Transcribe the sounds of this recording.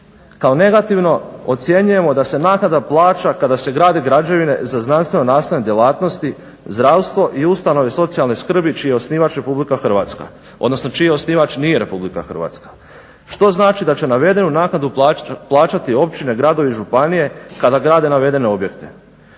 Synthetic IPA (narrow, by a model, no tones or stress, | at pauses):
kao̞ne̞ɡat̪iʋno̞ot̪sje̞ɲuje̞mo̞d̪ase̞naːknad̪aplˠaːt͡ʃakad̪ase̞ɡɾaːd̪eɡɾad͡ʒe̞ʋine̞zaznanst̪ʋe̞nonaːsaɲed̪je̞lˠaːt̪no̞st̪i | zd̪ɾawst̪ʋo̞ʔiust̪ano̞ʋeso̞t̪sijalˠneskr̩bit͡ʃiːjeo̞sniːʋat͡ʃɾe̞publikaxr̩ʋa̰ːt̪ska̰ | od̪no̞sno̞t͡ʃijeo̞sniːʋat͡ʃniːje̞ɾe̞publika̰xr̩ʋa̰ːt̪skḁ | ʃt̪o̞znaːt͡ʃid̪at͡ɕe̞naʋe̞d̪e̞nunaːknad̪upːplˠaːt͡ʃat̪io̞pt͡ʃine̞ɡɾad̪o̞ʋeiʒupanije̞kad̪aɡɾaːd̪e̞naʋe̞d̪e̞ne̞o̞bje̞kt̪e̞